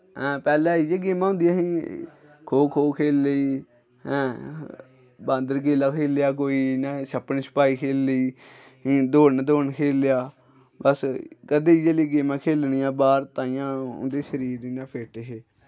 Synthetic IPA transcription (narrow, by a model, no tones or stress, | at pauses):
ɦɛ̃ːpɛːlɛ̃ːid͡ʒeːɡeːmãːʊ̃ːnd̪ijãːɦĩː | kʰoːkʰoːkʰeːlːeiː | hɛ̃ː | bãːnd̪əɾɡeːlaːkʰeːljaːk̬oːiːnaːʃəpənsə̥paːiːkʰeːlːəiː | ɦĩːd̪oːnd̪oːnkʰeːljaː | bəskəd̪eːd͡ʒeːliːɡeːmãːkʰeːlniːãːbaːɾt̪ãːijãːʊ̰nd̪eːʃəɾiːɾiːnãːpʰeːʈɦeː